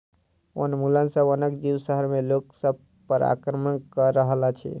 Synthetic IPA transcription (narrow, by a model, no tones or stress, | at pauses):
o̰nmulənsəbonəkd͡ʒiwsəɦəɾmeloksəb̚ | pəɾa̰kɾəmənkəɾəɦlat͡ʃʰḭ